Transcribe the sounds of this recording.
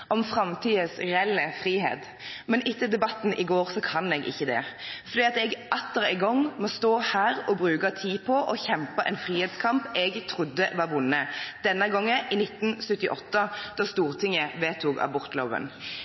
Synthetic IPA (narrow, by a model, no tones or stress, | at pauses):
ʔɔmfʁɑmt̪ʰiːəsʁɛɛlːəfʁiːɦḛːt̪ | mɛnʔɪt̪ʰːəd̪ɛbɑt̪ːn̩ʔɪɡoːʁsɔkʰɑnɛɡʔɪ̰çːəd̪ɛ̰fɔʁd̪iːɑt̪ɛɡʔɑt̪ːəɾɪɡɔŋːmɔst̪oːhæːʁɔbʁʉːkɑt̪ʰiːpʰɔʔɔçɛmpəʔɛnfʁiːheːd̪skʰɑmpɛɡt̪ʰʁʊd̪ːəʋɑʁʋʊnːəd̪̥ɛnːəɡɔŋːəʔɪnɪt̪ːn̩sʉt̪ːɪʔɔt̪ːəd̪̥ɑst̪uːʁt̪ʰɪŋːəʋeːt̪ʰukɑ̰bɔʁt̪loːʋə̰n